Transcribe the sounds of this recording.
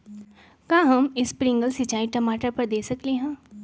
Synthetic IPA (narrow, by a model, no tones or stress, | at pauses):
kãːɦɐmɪspɾɪ̃ŋɡəlsit͡ʃaːiʈɐmaːʈəɾpɐɾd̪eːsɐkleɦɛ̃ː